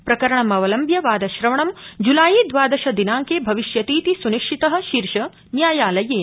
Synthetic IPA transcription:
pɾɐkɐɾɐɳɐmɐʋɐlɐmbʱjɐʋaːd̪ɐʃɾɐʋɐɳɐmd͡ʒulaːjid̪ʋaːd̪ɐʃɐd̪inaːŋkeːbʱɐʋiʃjɐt̪iːt̪isuniʃʰit̪ɐɦɐ̆ʃiːɾʃɐ | njaːjaːlɐjeː

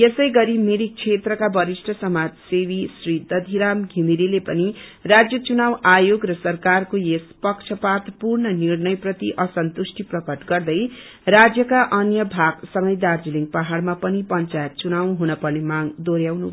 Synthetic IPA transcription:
jesʌjɡʌɾimiɾik̚t͡ʃʰet̪rʌkabʌɾisʈʰʌsʌmad͡zsewisrid̪ʌd̪ʱiɾamɡʱimiɾilepʌnirad͡zjʌt͡sunawajoɡrʌsʌrkarkojespʌkt͡ʃʰʌpat̪purnʌnirnʌjprʌt̪iʔʌsʌnt̪usʈʰiprʌkʌʈɡʌrd̪ʌj | rad͡zjʌkaʔʌnjʌbʱaɡsʌŋɡʌjd̪ard͡ziliŋɡpaɦaɽmapʌnipʌnt͡sajt̪̚t͡sunawɦunʌpʌrnemaŋd̪oɾjawnu

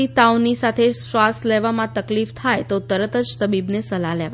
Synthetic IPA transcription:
it̪aunisat̪ʰesʋast̪leʋamãt̪əklift̪ʰajt̪ot̪əɾət̪əd͡ʒt̪əbibnesəlaleʋa

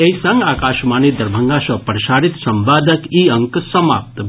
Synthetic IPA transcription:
eisɐ̃ŋɡaːkaːʃmaːnid̪ɐɾbʱəŋɡaʃɐpɾʃaːɾit̪sɐmʋaːd̪ʱəkiəŋksɐmap̚t̪

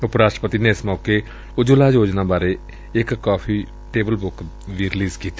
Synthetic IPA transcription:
ʊpɾaːsʈɾəpət̪iːneːɪsmɔːkeː | ʊd͡ʒolaːd͡ʒoːd͡ʒnãːbaːɾeː | ɪkːaːpʰiː | ʈeːbəlbʊk | ʋiːɾɪliːzkiːt̪ː

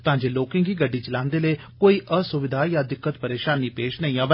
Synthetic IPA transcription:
t̪aãːd͡ʒeːloːkɪ̃ːɡiːɡəɖːiːt͡ʃəlãːnd̪eːləiː | koːiːʔəsʊʋɪd̪ʱaːjaːd̪ɪkːət̪pəɾeːʃaːniːpeːʃnəĩːãːʋə

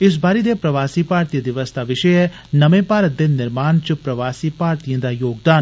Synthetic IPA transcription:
ɪs̬baːɾeːd̪eːpɾəʋaːsiːpaːɾt̪ijəd̪ɪʋəsd̪aːʋɪʃəɛː | nəmẽːpaːɾət̪̚d̪eːnɪɾmaːnt͡ʃəpɾəʋaːsiːpaːɾt̪ijãːd̪aːjoːɡd̪aːn

